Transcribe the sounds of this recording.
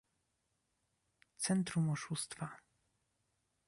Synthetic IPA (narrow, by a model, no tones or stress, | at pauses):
t̪sɛnt̪ɾumɔʂust̪fa